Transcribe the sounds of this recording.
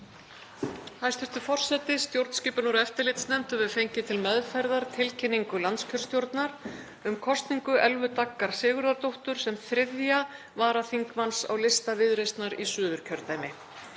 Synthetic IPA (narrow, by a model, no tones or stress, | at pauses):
hajst̪ɪft̪ʏfɔr̥sɛt̪ɪst̪jowɾt̪n̥sciːpʏnɔɾɛft̪ɪɾlɪt̪snɛmt̪ʏvɪðfejɲcɪt̪ʰɪlmɛðfajɾðaɾt̪ʰɪlcʰɪnːiŋkʏlant̪scʰœɾ̥st̪jowɾt̪naɾ̥ | ʏmkʰɔst̪niŋkʏʔɛlvʏt̪akːaɾ̥sɪːɣʏɾðaɾt̪owht̪ʏɾ̥sɛmθɾɪðja | vaːɾaθiŋkmansa̰wlɪst̪avɪðɾejst̪naɾisʏːðʏɾ̥cʰœɾt̪aːjmɪ